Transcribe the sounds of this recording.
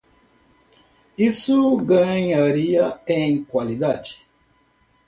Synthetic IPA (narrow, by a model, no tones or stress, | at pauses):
isuɡɐ̃ɲaɾiɐẽj̃kwalid̪ad͡ʒi̥